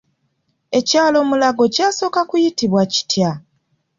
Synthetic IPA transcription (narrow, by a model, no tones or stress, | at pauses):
e̞caːlo̞ːmulaɡo̞caːso̞ːkakujitiβwaci̥tja